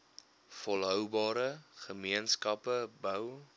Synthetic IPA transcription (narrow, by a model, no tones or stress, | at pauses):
fɔlˠɦœwbɑːɾəχəmiənskɐpəbœw